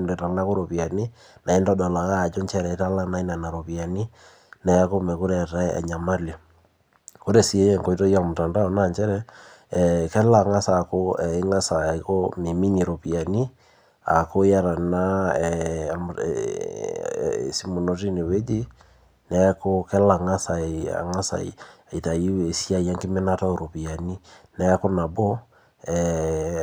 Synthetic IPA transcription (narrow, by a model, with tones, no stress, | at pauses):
m˨ɾe˨ɾa˨ŋna˦ko˦ɾo˨pi˨a˨ni˦ | na˨i˦ndɔ˦dɔ˨la˨ka˦a˨d͡ʒo˦ɲt͡ʃɛ˦ɾɛ˨˦ta˦la˦na˦i˦na˨na˨ɾo˨pi˨a˨ni˦ | nɛ˨˦ko˦mɛ˨ko˦ɾɛ˦˨ta˦a̰˨ɲa˨ma˦li˨ | ko˦ɾe˨si˨e˦ɛ˦˨ŋko˨i˦to˦ja˦mʊ˨ta˨nda˦ɔ˨na˦˨ɲt͡ʃɛ˦ɾɛ˦˨ | kɛ˦la˨ŋa˦sa˨ko˦ɛ˨i˦ŋa˦sa˨˦ko˦mi˨mi˦ɲi˨ɾo˨pi˨a˨ni˦ | a̰˨ko˦ja˦ɾa˨na˦˨ | si˦mo˨no˨ti˦ne˨we˦d͡ʒi˦ | nɛ˦ko˦kɛ˦la˨ŋa˦sa˨a̰˨ŋa˦sa̰˨ḭ˨ | i˨ta˨ie˨si˦a˦˨i˨a˦ŋɡe˦me˦na˦ta˦o˨ɾo˨pi˨a˨ni˦nɛ˦ko˦na˨bo˦ | ɛ